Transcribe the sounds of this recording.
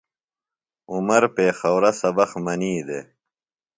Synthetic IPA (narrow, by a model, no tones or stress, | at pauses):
umɐɾpeːxɐwɾɐsɐbɐxmɐniːd̪e